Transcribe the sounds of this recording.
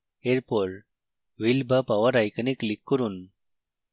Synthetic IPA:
eɾpoːl | ʋilbɐpɐʋɐɾɐjkɐniklikːuɾun

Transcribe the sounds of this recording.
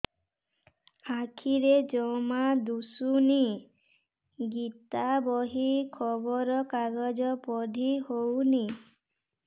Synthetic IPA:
akʰiɾed͡ʒɔmad̪usuni | ɡit̪abɔɦikʰɔbɔɾɔkaɡɔd͡ʒɔpɔd̪ʱihowni

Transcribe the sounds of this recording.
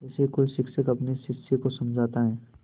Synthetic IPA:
ɛːsekoːisɪksəkɐpnisɪksekosɐmd͡ʒʱaːt̪aɦɛː

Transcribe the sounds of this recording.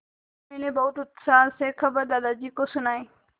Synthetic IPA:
menebɐt̪ʊt̪saːsekʰɐbəɾd̪aːd̪ad͡ʑikosunaẽ

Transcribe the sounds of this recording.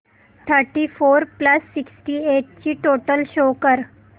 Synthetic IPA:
t̪ʰəɾʈifoɾpləsːiksʈiːeʈ̚t͡ɕiːʈoʈəlɕokəɾ

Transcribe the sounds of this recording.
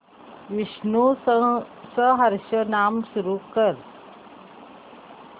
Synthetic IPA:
ʋiɕnu | səɦəɾɕənamsuɾukəɾ

